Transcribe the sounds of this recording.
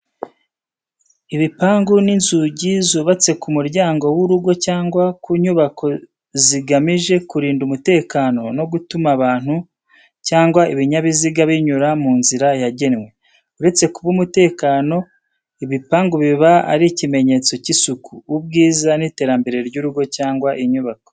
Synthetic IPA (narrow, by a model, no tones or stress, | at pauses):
iβipaːŋɡuninzuɟizuβat͡se̞kumuɾɟaːŋɡo̞wuɾuɡo̞caːŋɡwakuːɲuβakʰo̞ | ziɡamiʒe̞kuɾiːndumute̞ːkano̞no̞ɡutumaβaːn̥hu | caːŋɡwaiβiɲaβiziɡaβiɲuɾamuːnziɾajaɟe̞nwe̞ | uɾe̞t͡se̞kuβumute̞ːkano̞ | iβipaːŋɡuβiβaa̰ɾicime̞ɲe̞t͡so̞cisukʰuːbɡiːzanite̞ːɾambe̞ɾe̞ɾɟuːɾuɡo̞caːŋɡwaʔiɲuβako